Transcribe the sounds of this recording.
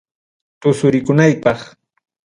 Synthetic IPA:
t̪ʊsʊɾɪkʊnajpɑχ

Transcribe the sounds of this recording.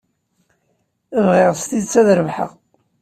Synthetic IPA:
əvʁɪʁst̪iðt͡sːæðɾəvħə̰ʁ

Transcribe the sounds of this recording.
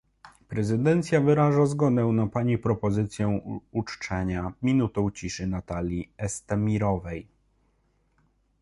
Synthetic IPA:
pɾɛzɘd̪ɛnt̪sʲjavɘɾaʐazɡɔd̪ɛw̃napaɲipɾɔpɔzɘt̪sʲjɛwut͡ʂt͡ʂɛɲamʲinut̪ɔ̃w̃t͡ɕiʂɘnat̪alʲiɛst̪ɛmʲiɾɔvɛj

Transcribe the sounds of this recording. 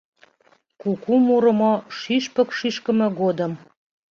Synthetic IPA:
kukumuɾə̆moʃyʃpə̆kʃiʃkə̆mĕɣod̪əm

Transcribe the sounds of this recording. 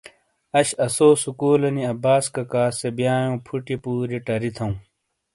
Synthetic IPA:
ɐɕɐsoːsukuːlɐniɐbaːskɐkaːsebjãːjõːpʰuʈipuːɾiʈɐɾit̪ʰɐ̃ũ

